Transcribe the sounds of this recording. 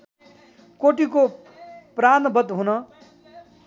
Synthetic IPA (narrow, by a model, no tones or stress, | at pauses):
koʈiko | pranbʌd̪ɦunʌ